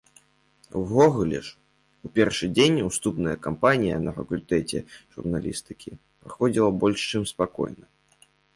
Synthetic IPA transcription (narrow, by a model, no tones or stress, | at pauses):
wɣɔɣulʲɛ̰ʂ | upʲɛrʂɨd͡zʲenʲust̪upnɐjɐkampanʲijɐnɐfɐkulʲt̪ɛt͡sʲɛ̰ʐ̥ṵrnalʲḭst̪ɨkʲʰi | pɾaxɔd͡zʲilˠɐbɔlʲʂt͡ʂɨmspakɔ̰jnɐ